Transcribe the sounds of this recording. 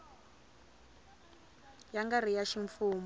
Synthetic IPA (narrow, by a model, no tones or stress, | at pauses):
jaŋɡar̤ijaʃiɱfuːm